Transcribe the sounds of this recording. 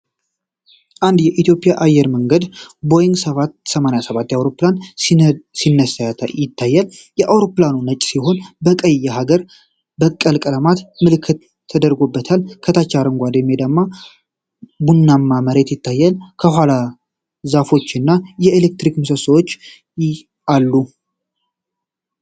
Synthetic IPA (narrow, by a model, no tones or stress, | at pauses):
ʔand̪jɛʔit̪jo̞pʼɪjaʔajːɛɾməŋɡəd̪bo̞jɪŋɡsəβat̪səmanajasəβat̪ːjawɾo̞plan | sinːəsjɪt̪ʰːajːəljɛʔawɾo̞planunət͡ʃʼsiɦo̞nbəkʼəjaɦaɡəɾ | bəkʼːəlkʼələmat̪mɨlɨkʰːɨt̪ʰː | əd̪əɾɡobːət̪ʰalkʰət̪ʰat͡ʃːaɾɨŋɡʷad̪əmːed̪əmːa | bunːamːaməɾe̞t̪jɪt̪ʰːajːəlkʰəhʷala | zafo̞t͡ʃːɨnːajɛelek̚t̪ɾikmɨsəsəwot͡ʃː | alːu